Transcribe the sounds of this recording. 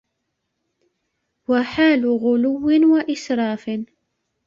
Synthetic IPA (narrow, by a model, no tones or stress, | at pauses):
waħaːlʊɣʊlʊwːɪnwaʔɪsɾˤɑːfɪn